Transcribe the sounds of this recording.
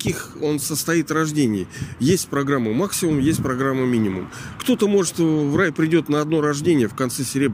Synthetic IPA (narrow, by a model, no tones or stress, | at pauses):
kʲixo̞nsəst̪ɐit̪rɐʐdʲenʲɪjjesʲtʲpɾɐɡɾamːəmaksʲɪmʊmjesʲt̚ʲpɾɐɡɾamːəmʲinʲɪmʊ̰m | kt̪o̞t̪əmo̞ʐɨt̪vrajpɾʲɪdʲo̞t̪nəɐd̪no̞ɾɐʐdʲenʲɪjəfkɐnt̪sɛsʲɪɾʲeb